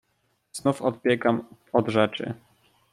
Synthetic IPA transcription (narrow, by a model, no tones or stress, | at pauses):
z̥nufɔt̪̚pʲjɛkamɔd̪ʐɛt͡ʂɘ̰